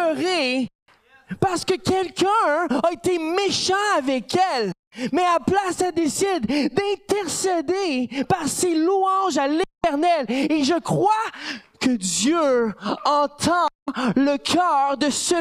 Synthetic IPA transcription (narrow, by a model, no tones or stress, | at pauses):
ʁe | paʁsə̥kəkʲɛlkʲə̃aet̪emeʃɑ̃avɛkʲɛl | mɛaplasad̪esɪd̪ːɛ̃t̪ɛʁsed̪epaʁseluɑ̃ʒalet̪ɛʁnɛleʒəkχwakəd̪jøɑ̃t̪ʰɑ̃ləkʰœːʁd̪əsə